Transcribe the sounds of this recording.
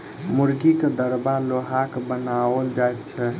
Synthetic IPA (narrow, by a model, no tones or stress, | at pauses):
muɾɡiked̪əɾbaloɦakbənaəld͡ʒajt̪t͡ʃʰɛ